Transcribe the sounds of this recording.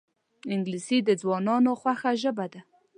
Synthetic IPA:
ɪŋɡlisid̪əd͡zwɑnɑnoxwaxaʒəbad̪a

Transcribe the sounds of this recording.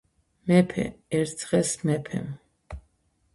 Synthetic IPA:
mɛpʰɛ̰ɛɾzʁɛsmɛpʰɛ̰m

